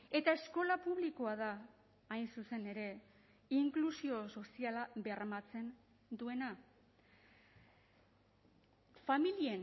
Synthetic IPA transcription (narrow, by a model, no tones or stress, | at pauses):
e̞t̪ae̞sko̞lapuβ̞likoað̞aː | jnsuse̞ne̞ɾe̞ | iŋklusio̞so̞sialabe̞remat͡se̞n | d̪ue̞na | familie̞n